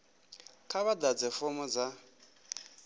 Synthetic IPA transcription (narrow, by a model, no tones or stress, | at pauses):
kʰaβad̪ad͡zɛfʊmɔd͡za